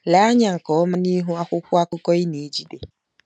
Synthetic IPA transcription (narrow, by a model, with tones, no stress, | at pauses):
la˨˦a˦ɲa˨ŋ̩˨kɔ˨ɔ˦ma˦ni˦ɦu˦a˦kʷʊ˦kʷʊ˦a˦kʊ˦kɔ˦i˦ni˨˦d͡ʒi˦de˨